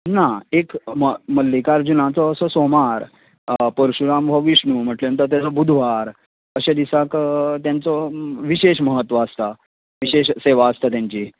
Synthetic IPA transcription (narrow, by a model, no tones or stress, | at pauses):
naekməməlːikaɾd͡ʑunãt͡sɔːsɔsomaɾ | pəɾɕuɾambʱəʋiɕɳum̤əʈleənt̪̬əɾt̪̬jat͡sɔbud̪ʱʋaɾ | əɕad̪isakt̪jant͡sɔʋiɕeɕməɦət̪ːʋaəst̪a | ʋiɕeɕseʋaːst̪at̪jãɲt͡ɕiː